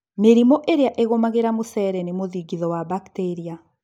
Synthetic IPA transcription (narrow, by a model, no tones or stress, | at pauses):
meɾimɔʔeɾeaʔeɣomaɣeɾamosɛɾɛnemoðiɡiðɔwabakteɾia